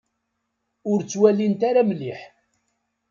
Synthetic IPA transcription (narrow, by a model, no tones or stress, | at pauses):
ʊɾt͡sːwælint̪aɾamliħ